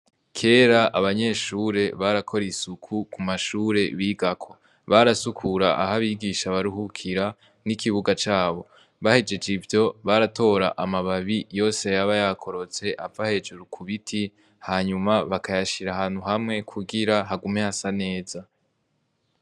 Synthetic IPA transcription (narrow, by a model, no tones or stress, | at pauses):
kʰe̞ːɾaʔaβaɲe̞ːʃuːɾe̞βaɾakʰo̞ɾisukʰukʰumaʃuːɾe̞βiːɡakʰo̞̥ | βaɾasukʰuɾaʔaɦaβiːɡiʃaβaɾuhukʰiɾa | nikʰiβuɡat͡ʃaːβo̞ | βahe̞d͡ʒe̞d͡ʒivjo̞βaɾatʰo̞ɾa̰ʔamaβaβijo̞ːse̞jaβajakʰo̞ɾo̞t͡se̞ʔavahe̞d͡ʒuɾukʰuβitʰi | haːɲumaβakajaʃiɾahaːn̥huɦamŋe̞kʰuɡiɾaɦaɡumehasane̞ːza